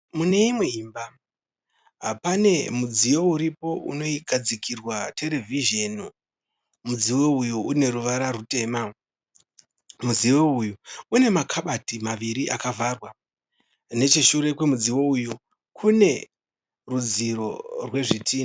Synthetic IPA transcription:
mune̞imwe̞imba | apane̞mud͡zijo̞uɾipo̞ʔṵno̞iɡʱad͡zikʰirwatʰe̞le̞viʒenu | mud͡ziwo̞ujuune̞ɾuʋaɾarute̞ːma | muziwo̞ujuune̞makʰaɓatimaʋiɾiʔakavʱarwa | ne̞t͡ʃiʃuɾe̞kwe̞mud͡ziwo̞uju | kʰune̞ | rud͡ziɾo̞̰rwe̞ʐitʰiːi

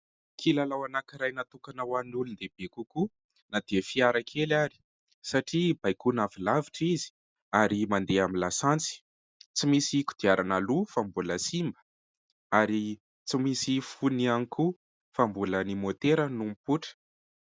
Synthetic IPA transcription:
kʰilalawanakiɾajnat̪ukanawanulund̪eb̥ekuku | nad̪eəfiaɾakʰelaɾi̥ | saʈ͡ʂibajkunavilaviʈ͡ʂizi̥ | aɾimand̪eamilasant͡si̥ | t͡simisiku̥d̪̥iaɾʔanalufambuləsimbə̥ | aɾi | t͡simisifunianikʰu | fambulənimot̪eɾənumipuʈ͡ʂə̥

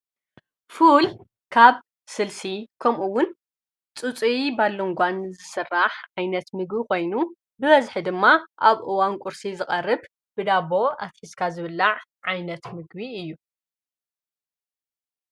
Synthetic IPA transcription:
ful | kʰaβ | sɨlsikʰɐmʔuwʊn | t͡sʼut͡sʼibalːoŋɡʷanzɨsɨrːaħʕajnɐt̪mɨɡbikʰo̞jnu | bɨβɐzħid̪ɨmːaʔaβʔɨwankʷʼʊɾsizɨχʼɐrːɨb | b̥ɨd̪aβo̞ʔat̪ħiskʰazɨβɨlːaʕʕajnɐt̪mɨɡbiɨjːu

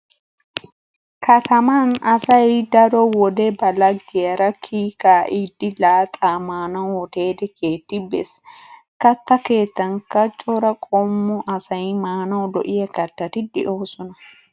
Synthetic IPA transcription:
kɐt̪ɐmɐnɐsɐjd̪ɐɾɔwɔd̪ɛbɐlɐɡːɪjɐɾɐkʰiːkaːʔiːd̪ːɪlaːt̪ʼaːmaːnɐwɔt̪e̞ːd̪ɛkʰeːt̪ːɪbḛs | kɐt̪ːɐke̞ːt̪ːɐŋkɐt͡ʃʼɔɾɐkʼɔmːɔʔɐsɐjmaːnɐwd̪ɔʔɪjɛkɐt̪ːɐt̪ɪd̪ɪʔoːsɔnɐ

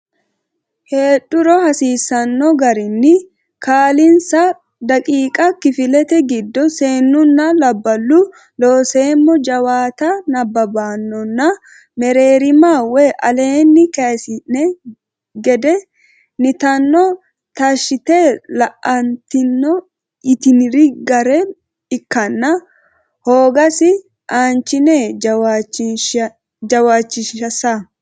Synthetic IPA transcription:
he̞ːᶑʊɾɔhɐsiːsɐnːɔɡɐɾɪnːɪ | kaːlɪnsɐ | d̪ɐkʼiːkʼɐkɪfɪlɛt̪ɛɡɪd̪ːɔseːnːʊnːɐlɐbːɐlːʊ | loːseːmːɔd͡ʒɐwaːt̪ɐnɐbːɐbaːnːɔnːɐ | mɛɾe̞ːɾɪmaːweʔɐleːnːɪkeːsɪnɛ | ɡɛd̪ɛ | nɪt̪ɐnːɔ | t̪ɐʃɪt̪elɐʔɐnt̪ɪnːɔ | ɪt̪ɪnɪɾɪɡɐɾɛ | ɪkːɐnːɐ | hoːɡɐsɪ | ʔaːnt͡ʃɪneːt͡ʃ | d͡ʒɐwaːt͡ʃːɪʃɐsɐ

